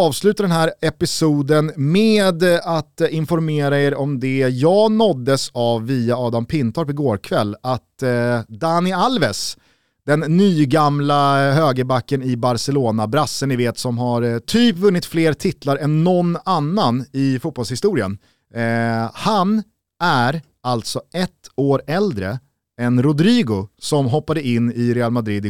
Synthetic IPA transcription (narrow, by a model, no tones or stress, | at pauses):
ɑːvslʉ̟ːt̪aɖ̪ɛnɦæːɾɛpɪsuːd̪ənmeːd̪at̪ɪnfɔɾmeːɾaeːɾɔmd̪ɛjɑːɡnɔd̪ːəsavːiːaɑːd̪ampʰɪnt̪ʰɔɾpɔɡoːɾkʰvɛlːat̪d̪anɪalvɛs | d̪̥ɛnːyːɡamlaɦøːɡəbakːənɪbaɾsɛloːnabɾasːənɪveːt̪sɔmɦaɾt̪ʰyːpvɵnːɪt̪fleːɾt̪ʰɪt̪ʰlaɾɛnːɔnːanːanɪfut̪̚pɔlshɪst̪uːɾɪə̰n | han | æɾ | alt̪sɔʔɛt̪ːoːɾɛld̪ɾə̰ | ɛnɾʊd̪ɾiːɡʊsɔmɦɔpːad̪əɪnːɪɾɛalmad̪ɾɪd̪